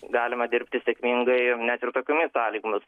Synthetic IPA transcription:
ɡɑːlʲɪmɐd̪ʲɪɾʲpʲt̪ʲɪsʲeɛkmʲiŋɡɐɪnʲæt̪ɪrt̪oːkʲuːmʲɪsɑːlʲiːɡʊmʲɪs

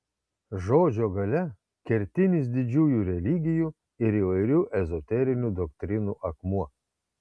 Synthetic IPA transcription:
ʒoːd͡ʒʲoːɡɐlʲɛ | kʲɛɾʲt̪ʲɪnʲɪsd̪ʲɪd͡ʒʲuːjuːɾʲɛlʲɪɡʲɪjuː | ɪɾiːʋɐɪɾʲuːʔɛzɔt̪ʲɛɾʲɪnʲuːd̪ɔkt̪ʲɾʲɪnuːʔɐkmuɔ

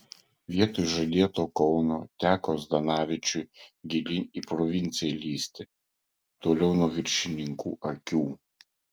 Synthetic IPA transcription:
ʋʲiɛt̪oːjʒɐd̪ʲiɛt̪oːkɔʊnoːt̪ʲæːkoːsd̪ɐnɑːʋʲɪt͡ʃʲʊɡʲɪlʲɪiːpɾɔʋʲɪnʲt̪sʲɪjɛlʲiːsʲt̪ʲɛ | t̪oːlʲɛʊnuɔʋʲɪɾʲʃʲɪnʲɪŋkuːʔɐkʲuː

